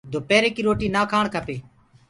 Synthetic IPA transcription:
d̪ʱoːpeːɾeːkiːɾoːʈiːnaːkʰaːɳkʰəpeː

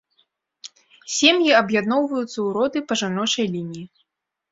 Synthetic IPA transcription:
sʲemjiɐbjad̪nɔwvɐjut̪sːɐuɾɔd̪ɨpɐʐanɔt͡ʂɐjlʲinʲiji

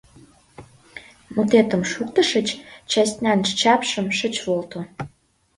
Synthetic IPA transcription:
mut̪et̪ə̆mʃuk̚t̪ə̆ʃə̆t͡ɕt͡ɕæsʲt̪nʲænʃt͡ɕɑpʃə̆mʃə̆t͡ɕβolt̪o

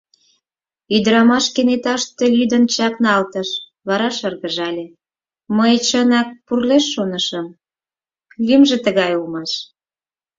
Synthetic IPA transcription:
yd̪əɾɑmɑʃkenet̪ɑʃt̪elʲyd̪ənt͡ɕɑknɑlt̪əʃ | βɑɾɑʃərɣəʒɑlʲe | məjt͡ɕənɑk̚purleʃːonəʃə̆m | lʲymʒĕt̪əɣɑjulmɑʃ

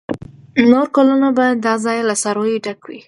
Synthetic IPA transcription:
noɾkalunabajad̪ːɑzɑjlasɑɾojeɖakwḭ

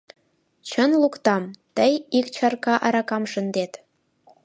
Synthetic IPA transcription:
t͡ɕənlukt̪ɑmt̪əjikt͡ɕɑrkɑʔɑɾɑkɑmʃənd̪et̪

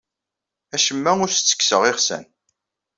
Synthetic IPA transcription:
æʃəmːæʊɾst͡sːə̥ksəʁɪχsæ̰n

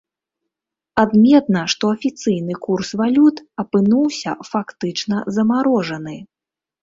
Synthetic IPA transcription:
ad̪mʲɛt̪̚nɐʂt̪ɔɐfʲit̪sɨjnɨkursvalʲut̪ɐpɨnuwsʲɐ̰fakt̪ɨt͡ʂnɐzɐmaɾɔʐɐnɨ

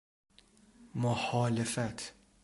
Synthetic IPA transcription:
mʊħɔːlɪfɛt̪

